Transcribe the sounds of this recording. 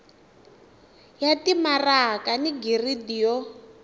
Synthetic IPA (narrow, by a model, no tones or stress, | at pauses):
jatimarakaniɡiridijɔ